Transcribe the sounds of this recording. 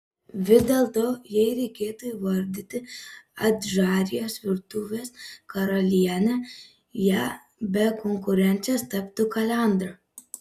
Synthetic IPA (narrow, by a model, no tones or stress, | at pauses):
ʋʲɪzd̪ʲɛlˠt̪oːjɛɪɾʲɛɪkʲeːt̪ʊiʋɐɾʲd̪ʲɪt̪ʲɪɐd̪ʲʒɑːɾʲɪjoːsʋʲɪɾt̪uːʋʲeːskɐɾɐlʲiɛnʲɛ | jæː | bʲɛkɔŋkʊɾʲɛnʲt̪sʲost̪ɐpt̪ʊkɐlʲæˑnd̪ɾɐ